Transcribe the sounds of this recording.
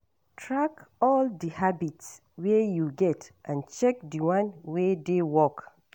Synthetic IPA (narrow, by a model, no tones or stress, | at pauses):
tʰɹakɔldihabits | wejuɡɛtʔãnt͡ʃɛk̚diwãnwedewɔk